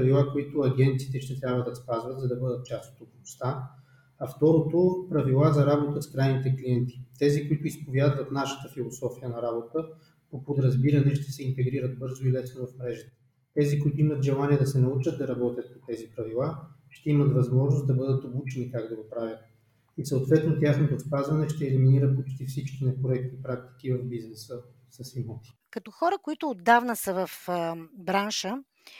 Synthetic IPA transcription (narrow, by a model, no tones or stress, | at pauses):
pɐvilˠakoit̪ʊɐɡʲɛnt̪sit̪ɛʃt̪ɛt̪ɾʲjabvəd̪ɐspazvət̪zɐd̪ɐbɤd̪ət̪̚t͡ʃast̪o̥t̪opnost̪a | ɐft̪ɔɾot̪opɾɐvilˠazɐɾabot̪əskɾajnit̪ɛkliɛnt̪i̥t̪ɛzikoit̪ʊispovʲjad̪vɐt̪naʃə̥t̪əfilˠosɔfijənɐɾabot̪ə | popod̪ɾɐzbiɾɐnɛʃt̪ɛ̥sɛint̪ɛɡɾiɾəd̪̚bɤɾzʊilɛsnovɐfmɾɛʒɛt̪ɛ̥ | t̪ɛzikʊit̪oʊimət̪ʒɛlˠaniɛd̪ɐsɛnɐut͡ʃəd̪ɐɾɐbɔt̪ʲjət̪̚pot̪ɛzipɾɐvilˠa | ʃt̪ɛimət̪vɐzmɔʒnosd̪ɐbɤd̪ət̪obut͡ʃɛnikaɡd̪ɐɡopɾavʲjət̪̚ | isəot̪vɛt̪not̪jaxnot̪ospazvɐnɛʃt̪ɛːliminiɾəpot͡ʃt̪ifsit͡ʃkinɛpɾoɛk̚t̪ipɾak̚t̪i̥kivɐvbiznɛsə | sɐsimɔt̪i̥ | kɐt̪ɔxɔɾəkoit̪ʊːd̪ːavnəsəvəfbɾanʃə